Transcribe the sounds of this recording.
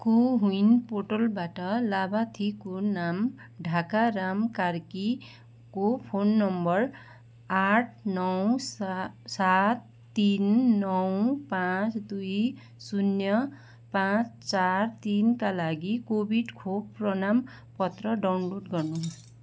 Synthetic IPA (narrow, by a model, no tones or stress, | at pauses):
koɦuinpoʈolbaʈʌlabat̪ʰikonam | ɖʱakaɾamkarki | kopʰonːʌmbʌr | aʈʰnʌwssat̪ːinːʌwpãt͡sd̪uj | sunjʌ | pãt͡st͡sart̪inkalaɡikobʱiɖkʰobprʌnam | pʌt̪rʌɖawnloɖɡʌrnu